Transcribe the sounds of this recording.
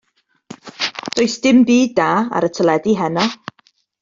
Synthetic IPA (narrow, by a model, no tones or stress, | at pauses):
d̥oɨsd̥ɪmbiːdaːa̰ɾətʰəlˠɛdiɦɛnɔ